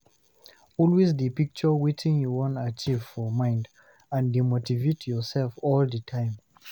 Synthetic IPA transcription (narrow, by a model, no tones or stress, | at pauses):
ɔlwezdipik̚t͡ʃəwetʰĩŋjuwɔ̃ntat͡ʃivfɔmãɪ̃nd | ãndimotivetjɔsɛlfɔldətʰãɪ̃m